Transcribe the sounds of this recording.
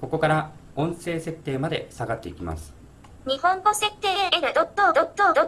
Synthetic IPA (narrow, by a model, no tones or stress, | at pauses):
ko̞ko̞kaɾaõ̞ɰ̃se̞ːse̞t̪ːe̞ːmad̪e̞saɡat̪ːe̞ikʲima̰sɨ̥ | ɲ̟ihõ̞ŋɡose̞t̪ːeːed̪od̪ot̪ːod̪ot̪ːod̪o